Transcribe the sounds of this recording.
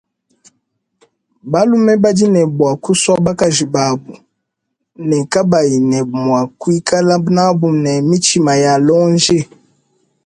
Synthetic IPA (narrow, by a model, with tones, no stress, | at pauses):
ba˦lu˦mɛ˦ba˦di˦nɛ˨bwa˨ku˦sɔ˦ba˦ka˨ʒi˨ba˨bu˨ | nɛ˨ka˦ba˨ji˨nɛ˨mwa˨kwi˦ka˦la˦na˦bu˨m˨nɛ˨mi˦t͡ʃi˦ma˨ja˨lɔ˦nd͡ʒe˦˨